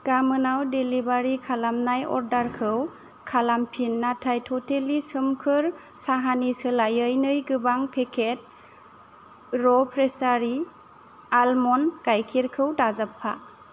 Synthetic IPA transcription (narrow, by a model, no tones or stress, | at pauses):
ɡ̥amɯnawdelibaɾikʰalamnajɔ̰ɾdaɾkʰɯw | kʰalampʰinːatʰajtʰɔtʰelisɯmkʰɯɾ | saɦanisɯlajɯjnɯjɡɯbaŋpʰekʰet̚ | ɾɔpʰɾesaɾi | almɔnɡajkʰiɾkʰɯwdazapʰːa̰